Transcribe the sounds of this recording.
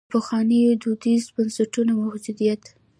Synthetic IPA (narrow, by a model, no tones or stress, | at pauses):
pəxwɑnəjod̪ud̪izbansaʈunamahd͡ʒud̪ijat̪